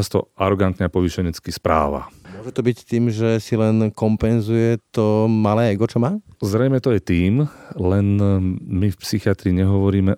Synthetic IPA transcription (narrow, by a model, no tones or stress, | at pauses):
ast̪ɔ̰ʔaɾɔɡant̪ɲɛapɔʋiʃɛɲɛt͡skispɾa̰ːʋa̰ʊɔʒɛt̪ɔbict̪iːmʒɛsilɛnkɔmpɛnzujɛt̪ɔmalɛːɛɡɔt͡ʃɔmaːzɾɛjmɛt̪ɔjɛt̪iːmlɛnmifpsixiat̪ɾiːɲɛɦɔʋɔɾiːmɛ